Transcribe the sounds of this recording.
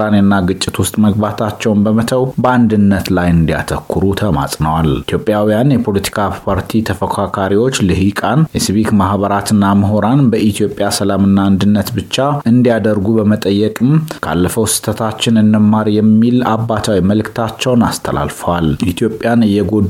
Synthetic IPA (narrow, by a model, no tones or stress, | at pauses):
anenːaɡɨt͡ʃʼːɪt̪wʊst̪ʼməɡ̚bat̪ʰat͡ʃːɛwnbəmət̪ʰəwbəand̪ɨnːət̪lajɨnd̪ija̰t̪ʰəkʰːɨɾut̪ʰəma̰sʼnəwalit̪ʰjo̞pʼːjawijanjɛpʰo̞lət̪ʰi̥kʰapʰaɾt̪ʰit̪ʰəfəkʰakʰaɾiwo̞t͡ʃːlɨhikʼanjɛsɨβik̪mahβəɾat̪ʰɨnːaməɦoɾanbəʔit̪ʰijo̞pʼjasəlamɨnːaːnd̪ɨnːət̪bɨt͡ʃːaɨnd̪ijad̪əɾɡubəmət̪ʼəjːɛkʼɨmkʰa̰lːəfəwsɨ̥t̪ʰət̪ʰat͡ʃːɪnɨnːɨmːaɾjɛmːilabːat̪ʰawiməlɨkt̪ʰat͡ʃːɛwnast̪ʰəla̰lfəwalit̪ʰijo̞pʼːjanɨjːɛɡod̪